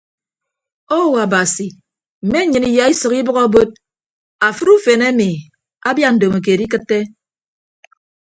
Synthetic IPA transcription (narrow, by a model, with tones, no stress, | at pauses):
o˦wa˨ba˨si˨ | m̩˨me˦ɲɨ˨ni˨ja˦i˦sɨ˨ki˦bɨ˦ɣɔ˦bo˦d̚ | a˨fɨ˦ɾu˦fe˨ne˦mi˨ | a˦bja˦n̩˨do˨ma˨k̬e˨di˦kɨ˦tːe˦